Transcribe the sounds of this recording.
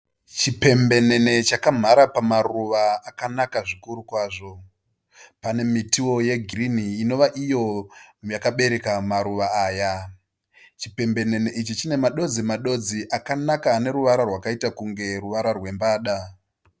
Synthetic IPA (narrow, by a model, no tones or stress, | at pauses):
t͡ʃipe̞mbe̞ne̞ne̞t͡ʃakam̤aɾapamaruʋaːkanakaʐikuɾukwaːʐo̞ | pane̞mitiwo̞je̞ɡʱiriniːno̞ʋaʔijo̞jakaɓe̞ɾe̞kamaɾuʋaaːja | t͡ʃipe̞mbe̞ne̞neʔit͡ʃit͡ʃine̞maɗo̞d͡zimaɗo̞d͡ziʔakanakane̞ɾuʋaɾarwakaitakuŋɡe̞ruʋaɾarwe̞mbaːɗa